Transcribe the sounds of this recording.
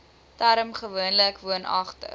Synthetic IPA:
tæɾəmχəvuənləkvuənɐχtə̰

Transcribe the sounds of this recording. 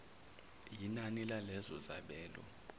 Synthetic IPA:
jinanilalɛzɔzaɓɛːlɔ̰

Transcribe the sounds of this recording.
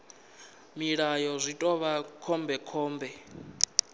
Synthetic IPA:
miɺajɔzʷitʼɔβakʰɔmbɛkʰɔːmbɛ

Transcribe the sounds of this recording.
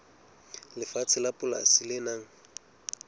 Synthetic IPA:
lɪfat͡sʰɪlapʼʊla̰sɪlɪnaːŋ̩

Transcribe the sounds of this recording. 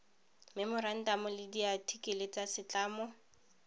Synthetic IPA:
mɛmɔran̩tamɔlɪdiatʰikʼelet͡sasɪt͡ɬʼaːmɔ

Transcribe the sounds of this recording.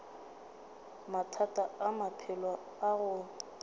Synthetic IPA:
matʰatʼaamapʰɪlwa | aɣʊ

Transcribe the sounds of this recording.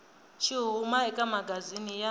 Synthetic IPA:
t͡ʃʰiɦumaɛkʼamaɡʱazinija

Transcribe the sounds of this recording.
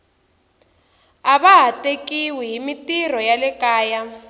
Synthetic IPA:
aβaɦatekiwiɦimitir̤ɔjalɛkaːja

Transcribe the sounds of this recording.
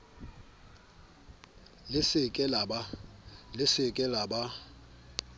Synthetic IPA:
lɪsɪkʼɛlabalɪsɪkʼɛlaba

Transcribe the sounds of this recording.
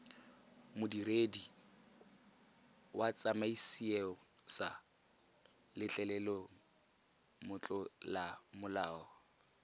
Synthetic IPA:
mʊdiredi | wat͡sʼamaisieɔsa | lɪt͡ɬʼɛlɛlɔ | mʊt͡ɬʼɔlamʊlaːɔ

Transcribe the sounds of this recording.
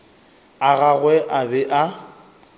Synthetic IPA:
aɣaɣwɛʔabɛʔa

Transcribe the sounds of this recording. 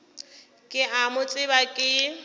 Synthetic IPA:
kʼɪʔamʊt͡sʼɪbakʼɪ

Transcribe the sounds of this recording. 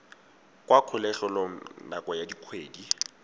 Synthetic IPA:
kʼwakʰʊlɛɬʊloŋ̩nakʼɔjadikʰweːdi

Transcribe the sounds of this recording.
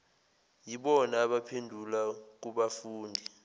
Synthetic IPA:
jiɓɔnaːɓapʰendʱulak̬uɓafuːndʱi

